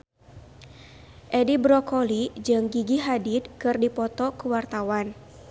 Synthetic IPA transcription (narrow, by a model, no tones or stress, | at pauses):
ʔɛdibɾɔkɔlid͡ʒɨŋɡiɡiɦadid̪̚kɨrdipɔt̪ɔkuwart̪awan